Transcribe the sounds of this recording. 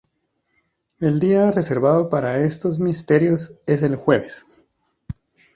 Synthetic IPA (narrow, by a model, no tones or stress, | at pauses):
e̞ld̪iare̞se̞ɾβaðo̞paɾae̞st̪o̞zmist̪e̞ɾjo̞se̞s̬e̞lxwe̞βes